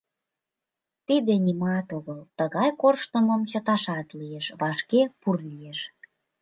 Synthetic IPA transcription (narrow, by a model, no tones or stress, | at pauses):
t̪id̪enʲimɑt̪oɣəlt̪əɣɑjkorʃt̪əməmt͡ɕot̪ɑʃɑt̪lieʃβɑʃkepurlieʃ